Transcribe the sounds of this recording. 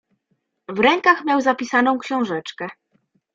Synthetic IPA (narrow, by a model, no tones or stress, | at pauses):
vɾɛŋkaxmʲjawzapʲisanɔ̃w̃kɕɔ̃w̃ʐɛt͡ʂkɛ